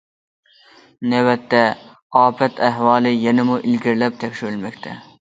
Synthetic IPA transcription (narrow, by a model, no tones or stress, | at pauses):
nɛwɛt̪ːɛ | ɑːpʰɛt̪ʰæɦwɑːlˠɪjɛnɪmuʔɪlɡʲiɾlɛp̚t̪ʰɛkʲʃyɾɪlmɛkʲt̪ʰɛ